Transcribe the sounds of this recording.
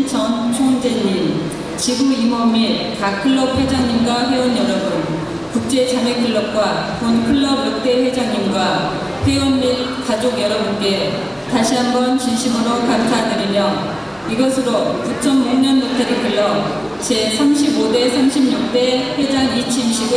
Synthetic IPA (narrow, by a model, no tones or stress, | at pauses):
t͡ɕʌnt͡ɕʰond͡ʑeɲi | t͡ɕiɡuimʌmikakʰɯɭːʌp̚we̞d͡ʑaŋɲimɡwaɸwe̞wʌnjʌɾʌbɯn | kuk̚t͡ɕ͈e̞t͡ɕaŋe̞kʰɯɭːʌp̚k͈wakonkʰɯɭːʌbjuk̚t͈e̞ɸwe̞d͡ʑaŋɲimɡwa | ɸwewʌnmikad͡ʑoɡjʌɾʌbunk͈e̞ | taɕʰiɦambʌnt͡ɕinɕʰimɯɾokamsʰadɯɾimjʌ | iɡʌsʰɯɾokut͡ɕʰʌmuɲʌnbutʰʌɾekɯɭːʌ | t͡ɕe̞sʰamɕʰibode̞sʰamɕʰimɲʌk̚t͈e̞ɸwe̞d͡ʑaŋit͡ɕʰimɕʰiɡɯ